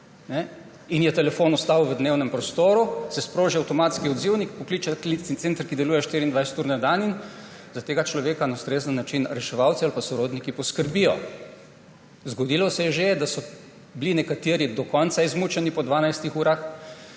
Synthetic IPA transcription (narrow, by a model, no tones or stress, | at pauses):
nɛ | injɛt̪ɛlɛfoːnɔst̪aːwʋəd̪neːwnɛmpɾɔst̪oːɾusɛspɾoːʒiawt̪ɔmaːt̪skiɔd̪ziwnikpɔkliːt͡ʃaklisint̪seːnt̪ɾkid̪ɛluːjɛʃt̪iːɾind̪ʋajsɛ̥t̪uːɾnɛd̪anin | zat̪eːɡat͡ʃlɔʋeːkanaust̪ɾeːzənːat͡ʃinɾɛʃɛʋawt̪sialpasɔɾoːd̪nikipɔskəɾbijɔ | zɡɔd̪ilɔsɛjɛʒed̪asɔ | blinɛkat̪eːɾid̪ɔkɔnt̪saizmuːt͡ʃɛnipɔd̪ʋaːnajst̪ixuːɾax